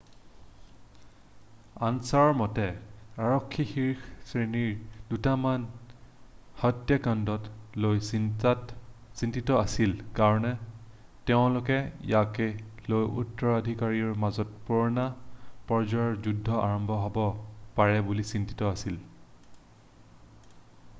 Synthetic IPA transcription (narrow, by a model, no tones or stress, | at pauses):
ansaɹɔɹmɔtɛaɹɔkʰːixiɹksɹeniɹdutaman | hɔtjakandɔtlojatsintitɔasilkaɹɔnɛ | tɛʊ̃lʊkɛjakɛlojṵtːɔɹadʱikaɹiɔɹmazɔt̚pɔɹnapɔɹd͡ʒɔjɔɹzudʱːɔʔaɹɔmbʱɔɦɔbɔpaɹɛbulisinti̥tɔasil